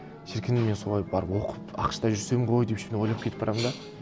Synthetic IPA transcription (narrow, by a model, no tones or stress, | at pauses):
ʃeɾkʲɪnɪmenso̞lˠɑjbɑɾəpwo̞qəpɑ̰qʃt̪ɑʒʏɾse̞mɪɴqʰo̞jd̪epʃeneo̞jlˠɑpkʲet̪ɪpbɑɾɑmənd̪ɑ